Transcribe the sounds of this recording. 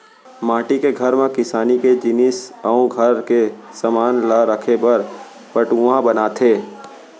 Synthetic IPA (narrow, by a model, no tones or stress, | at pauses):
maːʈikeɡʱɐɾmẽkɪsaːniked͡ʒɪnɪsəõɡʱəɾke | səmaːnlaɾəkʰepɐɾ | pəʈuãbənaːt̪ʰeː